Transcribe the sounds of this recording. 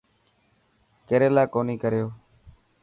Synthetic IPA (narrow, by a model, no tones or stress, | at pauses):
keːɾeːlaːkoːniːkəɾɪjoː